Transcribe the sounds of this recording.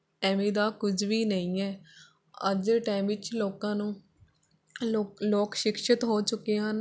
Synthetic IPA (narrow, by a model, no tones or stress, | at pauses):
ʈɛːmiːd̪aːkʊd͡ʒʋiːnəĩːɛː | ə̰d͡ʒeʈaːmʋɪt͡ʃloːkãːnũː | loːkʃɪkʃət̪ɦoːt͡ʃʊkːeːɦən